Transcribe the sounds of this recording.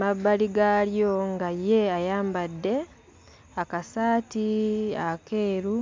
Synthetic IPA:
maβːaliɡaljoŋɡajeajaːmbadːe̞ | akasaːtiakeːɾu

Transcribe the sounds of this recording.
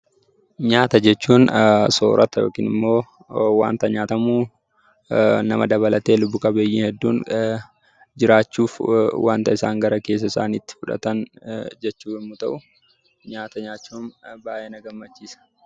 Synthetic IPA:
ɲaːt̪ɐd͡ʒɛt͡ʃːuːnso̰ːɾɐt̪ɐjo̞̰ːkḭːnɪmːo̞ː | wa̰ːnt̪ɐɲaːt̪ɐmuː | nɐmɐd̪ɐβɐlɐt̪e̞ːlʊbːʊkɐbeːjːiːnhɛd̪ːuːn | d͡ʒɪɾaːt͡ʃːuːfwa̰ːnt̪ɐɪsaːŋɡɐɾɐke̞ːs̬ːɐɪsa̰ːniːt̪ːɪ̥fʊᶑɐ̰t̪ɐnd͡ʒɛt͡ʃːuːfɪmːʊt̪ɐʔʊ | ɲaːt̪ɐɲaːt͡ʃːuːnbaːʔeːnɐɡɐmːɐt͡ʃːiːsɐ̥

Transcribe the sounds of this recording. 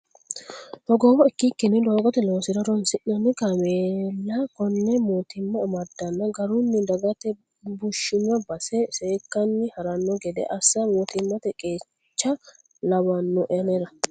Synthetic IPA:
hɔɡoːwɔɪkːikːɪnːɪd̪o̞ːɡɔt̪ɛloːsɪɾɐɾɔnsɪʔnɐnɪkɐmeːlːɐkɔnːɛmoːt̪ɪmːɐːmɐd̪ːɐnːɐɡɐɾʊnːɪd̪ɐɡɐt̪ɛ | bʊʃːɪnːɔbɐsɛseːkːɐnːɪhɐɾɐnːɔɡɛd̪ɛ̰ʔɐsːɐmoːt̪ɪmːɐt̪ɛkʼe̞ː | t͡ʃːɐ | lɐβɐnːɔʔɛɐneɾɐ

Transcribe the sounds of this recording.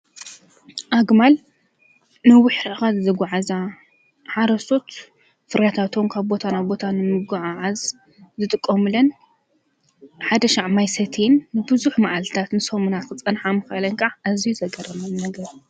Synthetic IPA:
ʔaɡmal | nɐwʊħɾxazzɐɡʷaʕaza | ħaɾɐso̞t̪ | fɨɾat̪ʰat̪ʰo̞mkʰaβbo̞t̪ʰanaβbo̞t̪ʰanɨmɨɡaʕaʕaz | zɨt̪ʼɨkʼːomɨlɐn | ħad̪ɐʃaʕmajsɐt̪ʰenːɨbɨzuħmaʕalt̪t̪ʰat̪nɨsomunat̪kɨt͡sʼɐnħamɨxʔalɐnkʼaʕʔazijuzɐɡɐrɐmɐnːɐɡɐɾ

